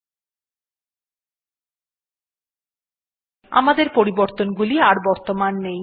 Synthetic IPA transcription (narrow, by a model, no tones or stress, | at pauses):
a̰mad̪eɾpoɾiboɾt̪onɡuliaɾbɔɾt̪omanːej